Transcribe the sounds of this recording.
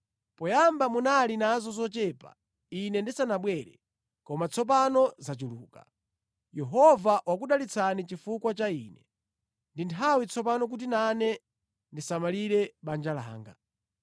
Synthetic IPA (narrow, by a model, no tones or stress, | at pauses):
pɔjambamunalinazɔzɔt͡ʃɛːpa̰ | inɛndisanaɓwɛːɾɛ̰ | kɔmat͡sʰɔp̬anɔzat͡ʃuluːka | jɛɦɔvaʔwak̬uɗalit͡sʰanit͡ʃifukwat͡ʃaiːnɛ | ndintʰawit͡sʰɔp̬anɔk̬ut̬inanɛ | ndisamaliɾɛɓand͡ʒala̰ːŋɡa